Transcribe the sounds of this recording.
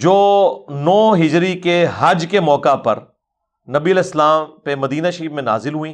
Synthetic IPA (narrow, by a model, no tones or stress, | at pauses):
d͡ʒoːnɔːɦɪd͡ʒɾikeɦɐd͡ʒkemɔːkapɐ̰ɾ | nɐbiɐleːslaːmpemɐd̪iːnaʃiːbmẽna̰ːzɪlɦʊĩː